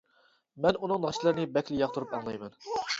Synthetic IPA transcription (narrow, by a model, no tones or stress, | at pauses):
mɛnunɨŋnɑʃilˠɨɾnɨbɛkʲlɪjɑχt̪ʰuɾupɛŋlˠɛjmɛn